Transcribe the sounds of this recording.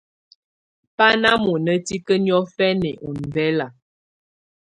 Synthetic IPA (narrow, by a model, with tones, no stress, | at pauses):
pa˦na˦mo˨nə˦ti˦kə˦n˦ɔ˦fɛ˦nɛ˨ʔu˨n˨vɛ˦la˨